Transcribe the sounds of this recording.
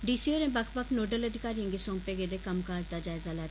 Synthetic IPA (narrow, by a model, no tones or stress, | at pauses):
ɖiːsiːoːɾɛ̃ːbəkʰbəkʰnoːɖələd̪ɪkaːɾijə̃ŋɡeːsõːmpeːɡeːd̪eːkəmkaːd͡ʒd̪aːd͡ʒaːɪzaːlɛː